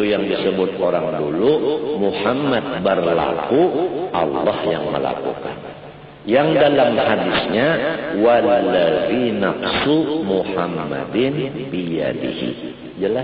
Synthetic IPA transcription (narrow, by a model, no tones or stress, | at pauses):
ujaŋdisəbʊt̪̚oɾaŋdulumuhamːat̪̚bərla̰kuʔɑlːɑhja̰ŋmə̰la̰kṵka̰n | jaŋdalamhadisɲawallaɾinafsumuhamːa̰dɪnbija̰dḭhḭ | d͡ʒəla